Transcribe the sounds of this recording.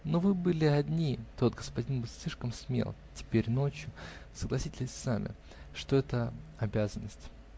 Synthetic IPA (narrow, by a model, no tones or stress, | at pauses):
novɨbɨlʲɪɐdʲnʲit̪o̞t̪ɡəspɐdʲinbɨlˠsʲlʲiʂkəmsmʲḛlˠtʲɪ̥pʲeɾʲno̞t͡ɕjʊsəɡlˠɐsʲitʲɪsʲsamʲʔɪ̰ | ʂt̪oɛt̪əɐbʲazənːəsʲtʲ